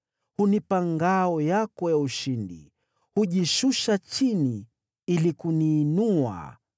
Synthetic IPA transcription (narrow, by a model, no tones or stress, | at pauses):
hunipaŋɡaɔjakɔjauʃindḭ | huʄiʃuʃat͡ʃini | ilikuniːnua̰